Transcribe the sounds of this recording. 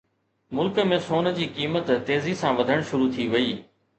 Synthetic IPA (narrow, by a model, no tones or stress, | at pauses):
mʊlkə̆mẽsoːn̆d͡ʑiːkiːmət̪ːeːzisãʋɐd̪ʱəɽ̃ʃʊɾut̪ʰiʋɐiː